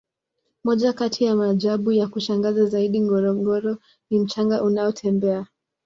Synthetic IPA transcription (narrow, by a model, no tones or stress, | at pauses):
mɔʄakatʰijamaʄaɓujakuʃaŋɡazazaiɗiŋɡɔɾɔŋɡɔɾɔ | nim̩t͡ʃaŋɡaʔunaɔtʰɛmbɛa